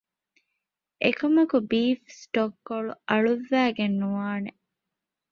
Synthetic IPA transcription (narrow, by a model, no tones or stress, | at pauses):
ʔekɐmɐkubiːfsʈokːoɭuɐɭuʋːæːɡenːuʋaːne